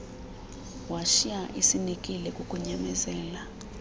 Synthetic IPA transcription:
waʃiaʔisinikʼilɛkʼukʼuɲɛmɛzɛːla

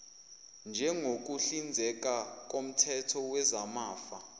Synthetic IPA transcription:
nd͡ʒʱɛŋok̬ʼuɬind͡zʱɛk̬ʼak̬ʼom̩tʰɛtʰɔwɛzamaːfa

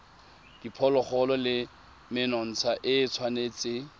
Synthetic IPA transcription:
d̥ipʰɔlɔχɔlɔlɪ | mɪnɔn̩t͡sʰaʔɪːt͡sʰwaneːt͡sʼɪ

